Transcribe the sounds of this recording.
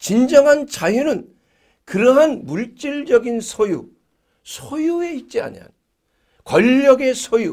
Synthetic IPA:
t͡ɕind͡ʑʌŋɦant͡ɕajunɯn | kɯɾʌɦanmuɭt͡ɕ͈iɭd͡ʑʌɡinsʰoju | sʰojue̞it̚t͡ɕ͈ia̰ɲia̰n | kwʌʎːʌɡe̞sʰoju

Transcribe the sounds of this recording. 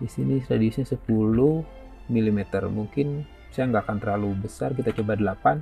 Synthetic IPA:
disinitɾadiusɲasəpuluh | milimɛt̪ərmuŋkɪn | sajaŋɡaːkant̪əɾlalubəsark̬it̪at͡ʃəbadəlapan

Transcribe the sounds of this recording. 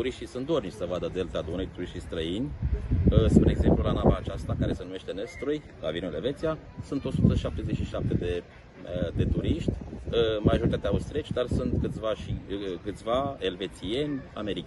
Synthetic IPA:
t̪uɾiʃt̪isunt̪d̪ornisəvad̪əd̪elt̪ad̪unejt̪uɾiʃt̪ijst̪ɾəinʲəspɾieɡze̞mplulanavaːt͡ʃast̪akaɾe̞se̞nume̞ʃt̪e̞nest̪ɾuj | la̰vinueleve̞t̪sija | sunt̪o̞sut̪əʃap̚t̪e̞ze̞t͡ʃʃiʃap̚t̪e̞d̪e̞ | d̪e̞t̪uɾiʃt̪ʲəmaʒo̞ɾit̪at̪eaust̪ɾet͡ʃʲd̪arsunt̪kɨt̪sʲvaʃikɨt̪sʲvae̞lve̞t̪sie̞nʲa̰me̞ɾik

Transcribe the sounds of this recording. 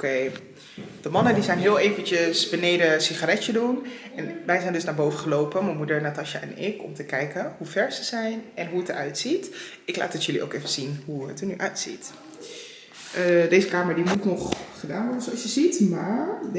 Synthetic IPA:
kej | d̥əmɑnədizɛjnɦɪːlˠejvənt͡ʃəsbənejdəsiχarɛədunɛnʋɛjzɛjndɵsnaːɹbowvəχəlowpəmɛjmudəɹnaːtɑʃaʔɛnɪkɔ̰mtəkɛjkəɦufɛɹzəz̥ɛjnɛnɦuətəɹœɥtsit | ɪkla̰ːtətjɵliʔo̰wkejvənz̥inɦuətənyʔœɥtsḭt | dejzəkaːməɹdimutnɔχχədaːnʋɔɹəsoɑsjəzitmaːɹ

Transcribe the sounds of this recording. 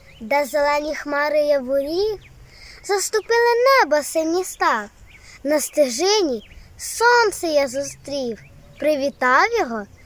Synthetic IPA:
d̪ɐzelˠɛnʲixmɑɾɪjɐʋʊlʲiw | zɐst̪ʊpɪlˠɪnɛbɔsɪmʲnʲist̪ɑ | nɐst̪ɪʒɪnʲisɔnt̪sɛjɐzʊst̪ɾʲiw | pɾɪʋʲit̪ɑwjɔɦɔ

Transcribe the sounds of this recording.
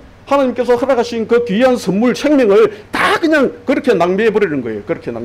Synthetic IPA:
hanaɲimk͈e̞sʰʌhɯɾaɡaɕʰinkɯkiɦansʰɯmːuɭsʰeŋmjʌŋɯɭtakɯɲaŋkɯɾʌkʰe̞naŋmeepoɾinɯnɡʌe̞jokɯɾʌkʰena̰ŋ

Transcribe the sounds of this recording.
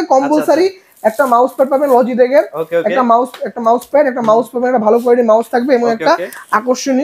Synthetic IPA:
kɔmbolsaɾi | ɛk̚ʈamawspɛʈ̚pabenlɔd͡ʑid̪ekʰeɛkʈamawsɛk̚ʈamawspɛʈɛk̚ʈamawspabenɛʈabʱalok̬ɔeɖimawst̪ʰak̚beeboŋɛkʈaakoʃːoni

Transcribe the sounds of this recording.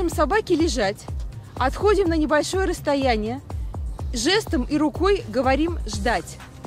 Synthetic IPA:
ɨmsɐbakʲɪlʲɪʐatʲɐt̪xo̞dʲɪmnənʲɪbɐlʲʂo̞jəɾəst̪ɐjænʲɪjə | ʐɛst̪əmiɾʊko̞jɡəvɐɾʲimʐd̪atʲ

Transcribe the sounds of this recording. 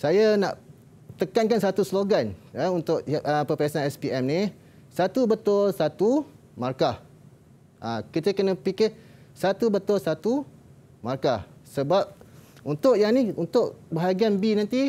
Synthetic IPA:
sajana̰ʔ | t̪əkankansat̪usloɡanəunt̪ʊʔəpəpɛasanɛspiɛmni | sat̪ubət̪ʊlsat̪u | markah | ʔakit̪əkənə̃pikɪsat̪ubət̪ʊlsat̪u | markahsəbap̚unt̪ʊʔjaŋniunt̪ʊʔbəɦaɡianbinãnt̪i

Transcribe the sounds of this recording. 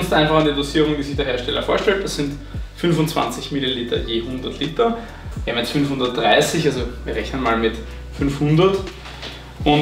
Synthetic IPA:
nstʔæɪnfaχandidosiːʁʊŋd̥iːzɪçd̥eɐɦeɐʃtɛlɐ̰foːɐʃtɛlt̚d̥ɐsz̥ɪnt | fʏnfʊnt͡sv̥ã̰nt͡sɪçmililiːtɐ̰jeːhʊndɐtʰliːtɐ | vamjɛt͡sfʏnfhʊ̃ndɐt̚d̥ʁaɪsɪçalzoviːɐʁɛçnənmaːlmɪt | fʏnfhʊndɐt | ʔʊn

